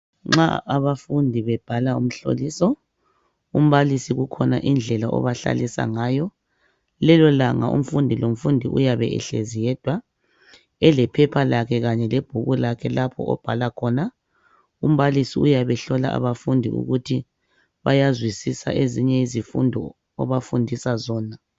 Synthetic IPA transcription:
ŋ͡ǁa̰aβafundʱiβɛb̥ʱalaṵm̩ɬo̰liːsɔ | um̩βalisiɣukʰɔnaʔind͡ɮʱɛlaʔɔ̰βaɬa̰lisa̰ŋaːjɔ | lɛlɔlaŋaʔṵm̩fundʱilom̩fundʱiʔṵjaβɛ̰ɛ̰ɬezijɛd̥ʱwa | ɛlɛpʰɛpʰalakʰɛɣaɲɛleb̥ʱuɣulakʰɛlapʰɔ̰ɔ̰b̥ʱalakʰɔna | um̩βalisiujaβɛɬɔla̰ʔa̰βafundʱiṵɣutʰi | βajazwisisa̰ʔeziɲɛizifṵndʱɔ | ɔ̰βafundʱisazɔːna

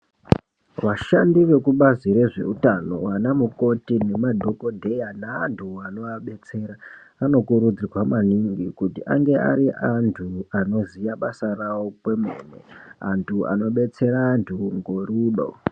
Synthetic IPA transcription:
ʋaʃandiʋe̞kuɓaziɾe̞ʐe̞̰utano̰wanamuko̞tine̞madʱo̞ko̞dʱe̞janaːntʰuano̞aɓe̞t͡se̞ɾaː | no̞kuɾud͡zirwamaniŋɡikutiʔa̰ŋɡe̞a̰ɾiʔantʰuano̞zijaɓasarawokwe̞mḛːnḛa̰ntʰua̰no̞ɓe̞t͡se̞ɾaːntʰuŋɡoɾiːɗo̰

